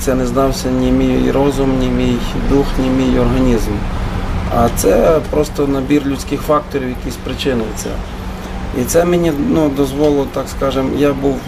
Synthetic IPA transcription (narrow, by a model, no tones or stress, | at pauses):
t̪sɛnɛznɑwsʲɐnʲimʲijjrɔzʊmnʲimʲijd̪uxnʲimʲijɔrɦɐnʲizm | ɐt̪sɛpɾɔst̪ɔnɐbʲirlʲʊt͡sʲkɪxfɑk̚t̪ɔɾʲiwjɐkʲisʲpɾɪt͡ʃɪnɪt̪sɛ̰ | it̪sɛmenʲinud̪ɔzʋɔlˠʊt̪ɑkskɑʒɪmjabuw